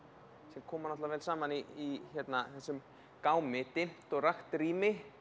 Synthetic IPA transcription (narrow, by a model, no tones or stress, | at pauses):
sɛmkʰɔːmɾnɔt̪lavɛːlsaːmaniːçɛt̪naθɛsːʏm | kaːwmɪt̪ɪm̥t̪ɔɣraxt̪riːmɪ